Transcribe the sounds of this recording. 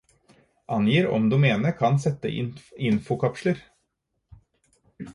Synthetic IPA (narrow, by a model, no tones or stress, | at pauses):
ʔɑnjiːɾɔ̰md̪ʉːmeːnəɾkʰɑnsɛt̪ːə̰ʔɪɪnfʊkʰɑpʃləɾ